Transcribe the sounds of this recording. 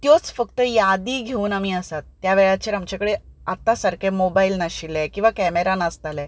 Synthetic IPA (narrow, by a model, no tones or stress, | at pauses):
t̪jot͡sfəkt̪əjad̪iːɡʱeuːnamiːəsat̪ːjaʋeɭjat͡ɕeɾamt͡ɕakəɽeat̪ːasəɾkemobailnaɕilɛkĩw̃ʋakɛmeɾanast̪alɛ